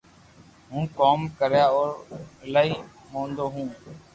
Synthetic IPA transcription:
ɦũːkoːmkəɾjaːoːɾlaːiː | mõːnd̪oːɦũː

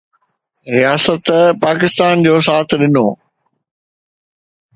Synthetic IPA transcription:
ɾijaːsət̪paːkɪst̪aːnd͡ʑoːsaːt̪ʰɗɪnoː

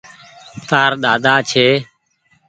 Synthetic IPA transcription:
t̪aːɾɗ̪aːd̪aːt͡ʃʰeː

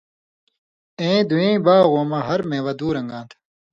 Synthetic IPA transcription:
ẽːd̪uẽːbaːɣoːmɐɦɐɾmẽːwɐd̪uːɾɐ̃ŋɡãːnt̪ʰ

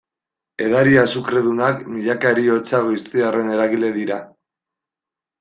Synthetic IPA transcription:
e̞̰ðaɾiasukɾe̞ðunakmiʎakaɾio̞t͡saɣojst̪iare̞ne̞ɾaɣile̞ðiɾa

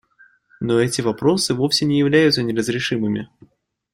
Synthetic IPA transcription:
noɛtʲɪvɐpɾo̞sɨvo̞fsʲɪnʲɪjɪvlʲæjʊt̪sənʲɪɾəzɾʲɪʂɨmɨmʲɪ

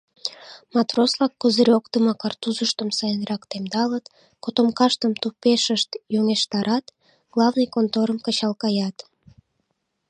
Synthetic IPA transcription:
mɑt̪roslɑkːəzəɾʲokt̪əmɑkɑrt̪uzəʃt̪əmsɑjənrɑkt̪emd̪ɑlət̪ | kot̪omkɑʃt̪əmt̪upeʃəʃt̪juŋeʃt̪ɑɾʔɑt̪ | ɡ̥lɑvnɨjkont̪oɾəmkət͡ɕɑlkɑjɑt̪

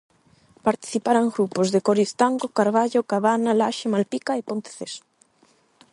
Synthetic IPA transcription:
paɾt̪i̥θipaɾaŋɡɾupozðekoɾist̪aŋɡokaɾβaʎokaβanalaʃemalpikaepont̪e̥θes

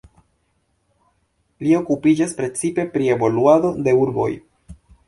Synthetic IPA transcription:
lio̞kupid͡ʒaspɾe̞t͡sipe̞pɾie̞vo̞luado̞de̞uɾbo̞̰j

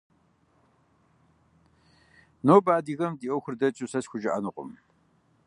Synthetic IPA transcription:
noːbaːdiːɣɐmdiːʔowxʷʊrdɐt͡ʃʼusɐsxʷʊʒɐʔɐ̰nɨqʷʼʊ̰m

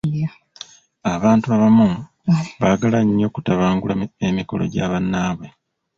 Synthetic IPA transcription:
aβaːntuaβamu | βaɡalaɲːo̞kutaβaːŋɡulaemiko̞̰lo̞̰ɟaːβanːaːβwe̞

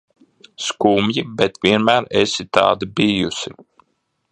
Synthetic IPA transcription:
skuːmjibɛt̪vʲiɛnmæːɾesit̪a̰ːd̪ibijusi

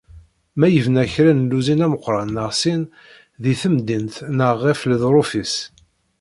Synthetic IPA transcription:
mæjəvnæçɾænluzinæməqːɾˤɑnːəʁsin | ðiθəmd̪int̪nəʁːɪfləðɾˤofis

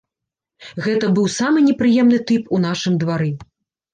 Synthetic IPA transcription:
ɣɛt̪ɐbɨwsamɨnʲɛpɾɨjɛmnɨt̪ɨpun̪aʂɨmd̪vaɾɨ

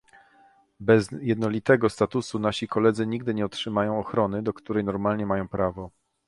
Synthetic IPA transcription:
bɛzjɛd̪nɔlʲit̪ɛɡɔst̪at̪usunaɕikɔlɛd̪zɘɲiɡ̚d̪ɘɲɛɔtʂɘmajɔ̃w̃ɔxɾɔnɘd̪ɔkt̪uɾɛjnɔɾmalɲɛmajɔ̃w̃pɾavɔ

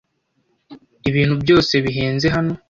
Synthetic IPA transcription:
iβiːn̥hubjo̞ːse̞βiɦeːnze̞ɦano̞

